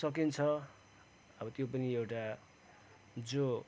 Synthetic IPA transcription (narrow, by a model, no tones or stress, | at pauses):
ʌk̬int͡sʰʌ | ʌbʌt̪jopʌniewʈa | d͡zo